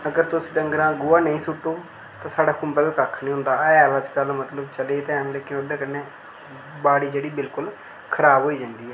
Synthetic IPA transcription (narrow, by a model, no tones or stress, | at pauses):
əɡəɾt̪ʊsĩɖəŋɡɾãːɡʊaːnəĩːsʊʈːoː | t̪ãːsaːɖaːkʊmbɛːbikəkʰnĩːɦʊ̃nd̪aːɛːləd͡ʒkəlmət̪ləbt͡ʃəleːt̪ɛnleːkɪnoːd̪ẽːkɪnːeː | baːɽiːd͡ʒeːɽiːbɪlkʊl | kʰəɾaːbɦoːiːd͡ʒãnd̪iːɦɛː